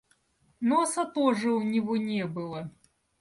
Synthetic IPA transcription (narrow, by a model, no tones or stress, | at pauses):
nɔsɐt̪ɔʐɨwnʲɪvɔnʲɛbɨlˠɐ